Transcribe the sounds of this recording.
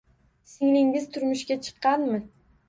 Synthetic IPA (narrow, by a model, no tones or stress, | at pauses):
sɪŋlɪŋɪzt̪ʰʊɾmʊʃkʲat͡ʃʰɨ̥qːɑnmɪ